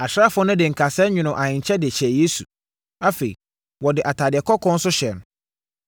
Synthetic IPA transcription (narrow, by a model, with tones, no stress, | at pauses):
a˨ɕɾa˦fʊ˦ʊ˦nʊ̃˦dɪ˨ŋ̩˨kʰa˨sɛ˦ɲᶣʊ̃˨nʊ̃˨ʔa˨ɲɪ̃˨ɲ̩˨t͡ɕʰɛ˦dɪ˨ɕɛ˨je˦sṵ˨ | a˦fe˨ḭ˨ | wɔ˨dɪ˨ʔa˨tʰaː˨dɪ˨ɛ˨kʰɔ˦kʰɔ̃˦n̩˦sʊ˦ɕɛ˨n˨